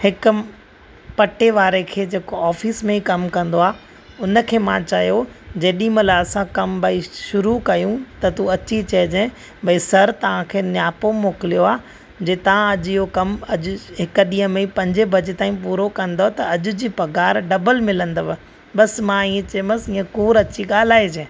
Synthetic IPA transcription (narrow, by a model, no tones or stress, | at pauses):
hɪkʊ | pɐʈeʋaːɾekʰeːd͡ʑeːkoaːfiːsmẽikɐmkɐ̃nd̪oaː | ʊnə̆kʰeːmãt͡ɕaːjod͡ʑeːɗĩmɐlaɐsãkɐmbʱɐiʃʊɾukɐjũt̪ɐt̪uɐt͡ɕit͡ɕɐɦɪd͡ʑẽ | bʱɐisɐɾt̪ɐʋ̤ãkʰeːnjaːpomoːkɪlijoaː | d͡ʑeːt̪ɐʋ̤ãɐʄijokɐmɐʄʊɦɪkəɗĩːɦə̃meĩpɐ̃ɲd͡ʑebʱɐd͡ʑet̪aːĩpuːɾokɐ̃nd̪ot̪ɐɐʄʊ̆d͡ʑiːpɐɡaːɾɖɐbəlmɪlə̃nd̪əʋ | ɓɐsmãiːẽt͡ɕɐːməsiːə̃kuːɾɐt͡ɕiɠaːl̤aːid͡ʑẽː